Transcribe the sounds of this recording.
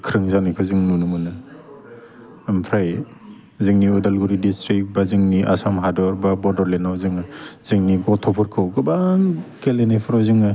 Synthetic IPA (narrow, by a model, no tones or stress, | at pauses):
kʰɾɯŋzanikʰɯzɯŋnunumɯnɯ | mpʰɾaj | zɯŋniɔdalɡuɾidistɾik̚bazɯŋniʔa̰samɦadɔɾbabɔɾdɔɾlenawzɯŋɯz̥ɯŋniɡɔtʰɔpʰɔɾkʰɯwɡɯbaŋkelenajpʰɔɾawzɯŋɯ